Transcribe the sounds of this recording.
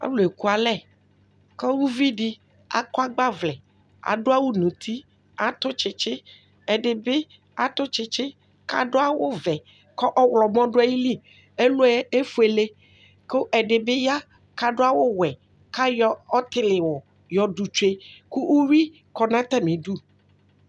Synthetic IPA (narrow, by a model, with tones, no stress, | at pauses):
a̰˦wlo˨e˨ku˦a˨lɛ˦ | kɔ˦wu˦vi˦ɖi˦ | a̰˨kɔ˦a˦ɡ͡ba˦vlɛ˨ | a̰˨ɖo˦a˦wu˦nũ˨t̪ʰi˦ | a˨t̪ʊ˦t͡ʃɪ˨t͡ʃɪ˦ | ɛ˨ɖe˨be˦ | a˨t̪ʊ˦t͡ʃɪ˦t͡ʃɪ˦ | ka̰˦ɖo˦a˦wo˦vɛ˨ | kɔ˦ʔɔ˦wlɔ˨mɔ̃˦ɖo˦a˦ji˦li˦ | e˦lo˦ɛ˦e˦fu˦e˨le˦ | ko˦ʔɛ˨ɖe˨bɪ˦ja˦ | ka˦ɖo˦a˦wo˦wɛ˨ | ka˦jɔ˦ɔ˦t̪ɪ˦lɪ˨wo˨ | jɔ˨ɖu˨t͡ʃe˦ku˦ʔu˦ɾi˦ | kɔ˨nã˦t̪ɛ˦mĩ˨ɖu˦